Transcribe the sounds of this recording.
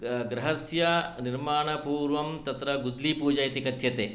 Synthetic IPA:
ɡɾɐɦɐsjɐniɾmaːɳɐpuːɾʋɐmt̪ɐt̪ɾɐɡud̪lipuːd͡ʒɐjɐt̪ikɐt̪ʰjɐt̪eː

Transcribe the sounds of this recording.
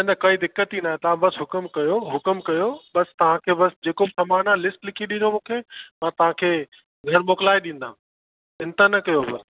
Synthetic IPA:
ẽnd̪ɐkɐid̪ɪkːət̪inaːɦẽt̪ɐʋ̤ãbɐsɦʊkəmkɐjoɦʊkəmkɐjoɓɐst̪ɐʋ̤ãkʰeːbɐsd͡ʑeːkobɪsɐmaːnalɪsʈlɪkʰiɗĩnd̪omũːkʰeːmãːt̪ɐʋ̤ãkʰeː | ɡʱɐɾmoːklaːiɗĩːn̆d̪aũ | ɪ̃nt̪ənɐkɐjobɐ

